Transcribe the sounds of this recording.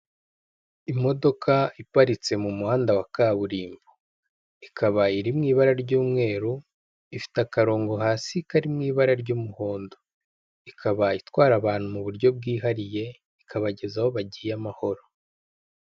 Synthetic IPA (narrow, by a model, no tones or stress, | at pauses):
imo̞do̞kʰaipaɾit͡se̞mumuhaːndawakaβuɾiːmbu | ikʰaβaiɾimŋiːβaɾaɾɟuːmŋe̞ːɾu | ifi̥takaɾo̞ːŋɡo̞ɦaːsikaɾimŋiːβaɾaɾɟuːmuho̞ːndo | ikʰaβaitwaːɾaβaːn̥humuβuɾɟo̞b̚ɡiːɦaɾije̞ | ikʰaβaɟe̞zaho̞βaɟijamaho̞ɾo̞